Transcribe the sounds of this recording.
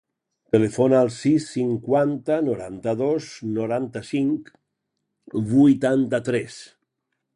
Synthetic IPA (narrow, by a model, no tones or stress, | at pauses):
t̪elefonaːlˠsisːiŋkwant̪anoɾa̰nt̪aðoznoɾant̪asiŋk | βujt̪ant̪at̪ɾɛs